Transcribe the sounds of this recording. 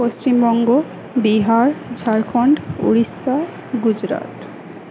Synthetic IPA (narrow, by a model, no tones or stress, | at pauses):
ost͡ɕimbɔŋɡo | biɦaɾd͡ʑʱaɾkʰɔɳɖṵɾisːa | ɡud͡ʑɾa̰t̪